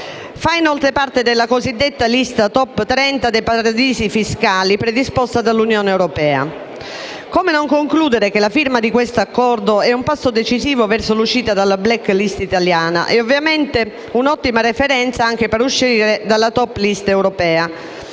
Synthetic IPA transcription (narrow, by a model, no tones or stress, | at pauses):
fainɔlt̪ɾepaɾt̪ed̪elːakozid̪ːet̪ːalist̪at̪ɔpːt̪ɾɛnt̪ad̪epaɾad̪iːzifiskaːlipɾed̪ispɔst̪ad̪alːunjɔːneɛwɾɔpɛːa̰ | komenɔŋkoŋkluːd̪eɾekelafiɾmad̪ikwest̪oakːɔɾd̪oɛumpasːod̪et͡ʃiziːvovɛɾsoluʃːiːt̪ad̪alːablɛkːlist̪it̪aljaːna̰ʔɛovːjamɛnt̪e | unɔt̪ːimaɾefɛɾɛnt̪saaŋk̟epɛɾuʃːiɾed̪alːat̪ɔpːlist̪ɛwɾɔpɛːa